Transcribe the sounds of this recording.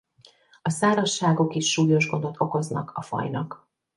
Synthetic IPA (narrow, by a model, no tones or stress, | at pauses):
ɒsaːɾɒʃːaːɡo̞kiʃːuːjo̞ʒɡo̞nd̪o̞t̪ʰo̞ko̞znɒ̰kʰɒfɒ̰jnɒk